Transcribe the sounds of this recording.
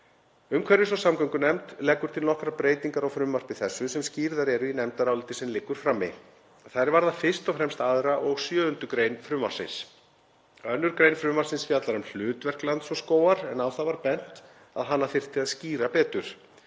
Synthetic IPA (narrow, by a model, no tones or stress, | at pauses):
ʏmkʰvɛɾɪsɔsamkœŋkʏnɛmt̪lɛːkːʏɾ̥t̪ʰɪlnɔhkɾapɾeːjt̪iŋkaɾawfɾʏmːar̥pɪθɛsːʏsɛmsciːɾðaɾɛɾʏinɛmt̪aɾaːwlɪt̪ɪsɛmlɪkːʏɾ̥fɾaːmːɪ̰ | θajɾvaɾðafɪr̥st̪ɔfɾɛmst̪aðɾaʔɔɣsjœːʏnt̪ʏkɾeːjnfɾʏmːa̰ɾ̥sɪ̰ns | œnːʏɾkɾejnfɾʏːmaɾsɪnsfjat̪laɾɛml̥ʏːt̪vɛr̥klant̪sɔskoːwaɾɛnawθavaɾpɛn̥t̪ | a̰ðɦanːaθɪr̥t̪ɪaðsciːɾapɛːt̪ʏɾ̥